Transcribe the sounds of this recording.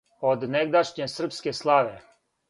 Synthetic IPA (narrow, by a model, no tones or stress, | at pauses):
od̪neɡd̪aʃɲesr̩pskeslˠaʋe